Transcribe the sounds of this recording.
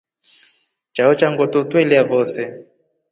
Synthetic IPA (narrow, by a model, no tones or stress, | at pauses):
t͡ʃaɔt͡ʃaŋɡɔtɔtwɛliavɔsɛ